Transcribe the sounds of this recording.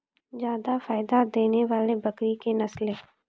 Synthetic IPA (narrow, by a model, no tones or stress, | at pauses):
zjaːd̪afaːɪd̪ad̪eːneʋaːlebɐkɾikenɐslẽː